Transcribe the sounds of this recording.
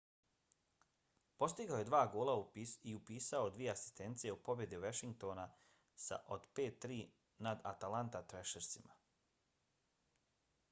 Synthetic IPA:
po̞st̪iɡaoje̞d̪ʋaːɡoːlˠauiupiːsaod̪ʋije̞asi̥st̪e̞nt̪sijeupo̞bje̞d̪iʋaʃiŋɡ̚t̪o̞ːna | sa̰ʔod̪peːt̪ːɾiː | nad̪a̰t̪alant̪at̪ɾeʃeɾsima

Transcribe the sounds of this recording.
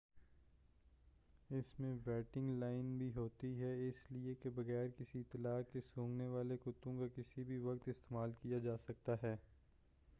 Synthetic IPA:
ɪsmẽʋɛːʈɪ̃ŋɡlaːɪnbʱiɦoːt̪iɦɛɪsliekebɐɣɛːɾkɪsit̪ɐlaːkːesõːŋɡneʋaːlekʊt̪ːõkakɪsibʱiʋɐkt̪ɪst̪eːmaːlkijad͡ʒaːsɐk̚t̪aɦɛː

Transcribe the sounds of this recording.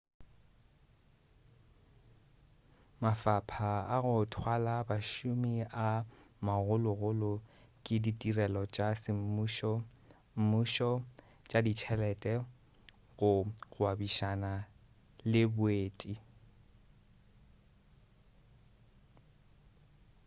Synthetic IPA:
mafapʰaaɣʊtʰwalabaʃʊmiamaɣʊlʊɣʊlʊ | kʼɪditʼirɛlɔt͡ʃʼasɪm̩ʃ | m̩muʃɔ | t͡ʃʼadit͡ʃʰɛlɛtʼɛ | ɣʊɣwabiʃana | lɪbʊeːtʼi

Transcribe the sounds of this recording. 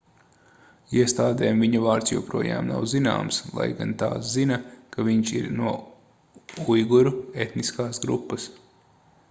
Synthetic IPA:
iɛst̪aːd̪eːmviɲɐvaːɾt̪sjɛwpɾuɔja̰ːmna̰wzina̰ːmslˠa̰jɡant̪a̰ːs̬zinɐkaviɲt͡ʃiɾnuɔ | ujɡuɾuet̪niskaːsɡɾṵpːəs

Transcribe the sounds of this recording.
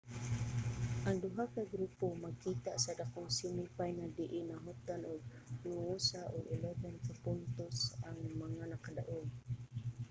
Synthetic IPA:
ʔaŋdʊɦakaɡɾupomakit̪aʔsadakʊŋsinipajnadiʔinaɦut̪anʊɡ̚ | nuusaʔʊɡɪloɡankapʊnt̪ʊsaŋmaŋanakadaʔʊŋ

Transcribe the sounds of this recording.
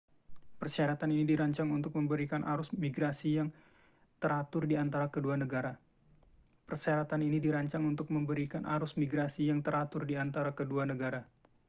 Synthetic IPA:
pərsaɾat̪aninidiɾaɲt͡ʃaŋunt̪ʊk̚məmbəɾikanʔaɾʊsmiɡɾasijaŋ | t̪əɾat̪ʊrdiant̪aɾakəduanəɡaɾa | pərsaɾat̪aninidiɾaɲt͡ʃaŋunt̪ʊk̚məmbəɾikanʔa̰ɾʊsmiɡɾasijaŋt̪əɾat̪ʊrdiant̪aɾakəduanəɡaɾa

